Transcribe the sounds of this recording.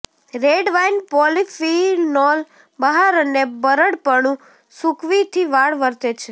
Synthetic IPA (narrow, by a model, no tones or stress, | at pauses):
ɾeɖʋajnpɔlifinɔl | bəɦaɾənebəɾəɽpəɳũ | sukʰʋit̪ʰiʋaɭʋəɾt̪et͡ʃʰe